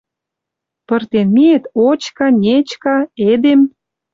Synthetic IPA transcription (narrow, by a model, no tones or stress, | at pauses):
pə̆rt̪enmiet̪ot͡ɕkɑnʲet͡ɕkɑed̪em